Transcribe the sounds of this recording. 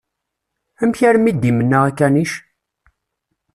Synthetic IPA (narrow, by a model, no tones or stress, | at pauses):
æmçæɾmid̪imənːəʁækːæniʃ